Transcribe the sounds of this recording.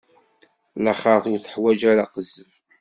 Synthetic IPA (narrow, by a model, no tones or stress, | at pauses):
lɑχɑθʊɾθə̥ħwæd͡ʒæɾaqəzəm